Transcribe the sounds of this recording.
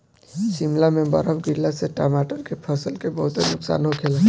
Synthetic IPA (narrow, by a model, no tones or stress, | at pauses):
ʃimlamẽbə̰ɾəbɡɪɾlaseʈaːmaːʈəɾkepʰəsəlkebəɦʊt̪senʊksa̰ːnɦokʰeːla